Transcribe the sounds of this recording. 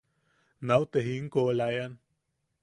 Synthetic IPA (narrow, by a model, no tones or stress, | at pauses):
nawt̪eɦiŋkolajan